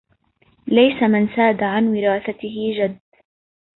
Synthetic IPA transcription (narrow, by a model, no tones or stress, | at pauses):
lajsamɪnsaːd̪aʕanwɪɾaːθat̪ɪɦɪd͡ʒad̪ː